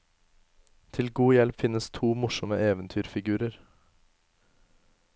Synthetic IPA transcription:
t̪ʰɪlɡuːjɛlpfɪnəst̪ʰuːmʊʃɔməʔeːʋənt̪ʰyːɾfɪɡʉːɾəɾ

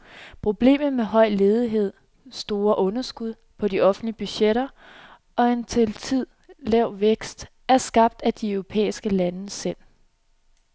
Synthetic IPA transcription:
pʰʁo̝b̥le̝̰ːmð̩ˠmeɦɒ̽ɪ̰le̝ːð̞ˠiɦe̝ð̞̰ˠ | sd̥o̝ːɐʔɔ̽nɐsɡ̥uð̞ˠ | pʰɒ̽diʔɒ̽fn̩dliəb̥yɕeɾɐ | ɒ̽e̝nt͡sʰe̝lt͡sʰið̞̰ˠ | lɛʊ̰ʋeɡ̥sd̥ | æɐsɡ̥ɑ̈b̥̚d̥æd̥iœʊʁo̝pʰḛːisɡ̥əlænəsel̰

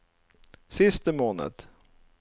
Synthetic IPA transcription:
sɪst̪əmoːnə̰d̪

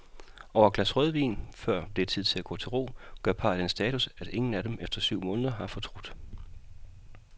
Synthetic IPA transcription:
ɒʊ̰ɐɡ̥læsʁœð̞ˠʋḭːnfɶɐ̰b̥le̝t͡sʰið̞̰ˠt͡sʰe̝æɡ̥ɔ̰̽ːt͡sʰe̝lʁo̝̰ːɡ̥ɶɐ̰pʰɑ̈ːd̥ensd̥ɛːt͡sʰusæɾ̥e̝ŋn̩æɾ̥emefd̥ɐsyʊ̰mɔ̽ːnðˠɐɦɑ̈fɒ̽t͡sʰʁud̥

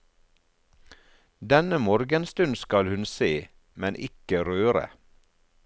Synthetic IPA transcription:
d̪ɛnəmoːɾɡənst̪ʉnskɑlhʉnseː | mɛnʔɪkəɾøːɾə̰

